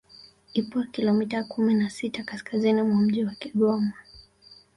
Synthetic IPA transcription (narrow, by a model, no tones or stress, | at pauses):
ipwakilɔmitakuminasitakaskazinimwam̩ʄiwakiɠɔma